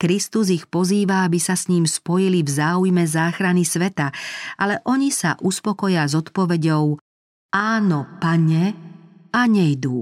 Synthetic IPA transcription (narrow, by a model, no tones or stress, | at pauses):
kɾist̪uzixpɔziːʋaabisasɲiːmspɔjilivzaːujmɛzaːxɾanisʋɛt̪aʔalɛʔɔɲisa̰ʔuspɔkɔjɪazɔt̪pɔʋɛɟɔʊ | ʔaːnɔpaɲɛ | aɲɛjd̪uː